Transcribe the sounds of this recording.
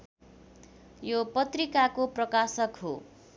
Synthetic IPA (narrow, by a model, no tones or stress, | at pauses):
jopʌt̪rikakoprʌkasʌkɦo